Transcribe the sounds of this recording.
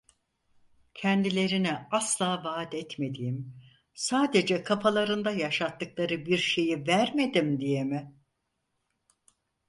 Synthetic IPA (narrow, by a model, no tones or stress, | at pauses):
cʰɛnd̪ilʲe̞ɾinɛaslˠaːvaːd̪ɛt̪me̞d̪ijim | saːd̪e̞d͡ʒɛkʰapʰalˠaɾɯnd̪ajaʃat̪ːɯklˠaɾɯbiɾʃe̞jivæɾme̞d̪imd̪ijemɪ